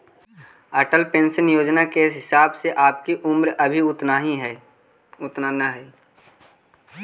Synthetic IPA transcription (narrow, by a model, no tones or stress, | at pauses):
əːʈəlpẽːnsənjoːd͡ʒnakeɦɪsaːbseʔaːp̚kiʔʊmɾəbʱiʊt̪naːɦĩɦɛ | ʊt̪nanaɦɛː